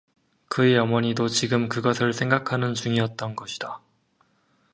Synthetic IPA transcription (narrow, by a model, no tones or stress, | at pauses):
kɯejʌmʌɲidot͡ɕiɡɯmkɯɡʌsʰɯɭsʰe̞ŋɡakʰanɯnt͡ɕuŋiʌt̚t͈ʌnɡʌɕʰi̥d̥a